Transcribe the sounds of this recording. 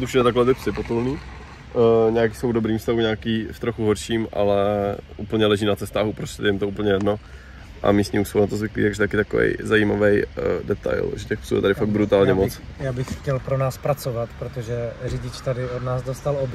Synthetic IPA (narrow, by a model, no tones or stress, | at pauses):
t̪ufʃɛdɛt̪aklɛt̪ɪpsɪpot̪ulniː | ɲaak̬iːsowdobɾiːmfst̪aɦuɲaːkiːft̪ɾoxuɦoɾʃiːmʔa̰lɛʔuːpl̩ɲɛlɛʒiːnat͡sɛst̪aːɦupɾosɛdɛjɪmt̪ouːpl̩ɲɛjɛdno | ʔa̰miːst̪ɲiuːsfonat̪ozvɪklḭt̪aɡʒɛt̪akɪt̪akovɛ̰jzaiːmavɛjdɛt̪a̰jlʒɛcɛxpsṵjɛ̰t̪aɾɪfaɡ̪̚bɾut̪aːlɲɛmot͡sjaːbɪxxcɛlpɾonaːspɾat͡sovat̪pɾot̪oʒɛrɪɟɪt͡ʃt̪adɪodnaːzdost̪alob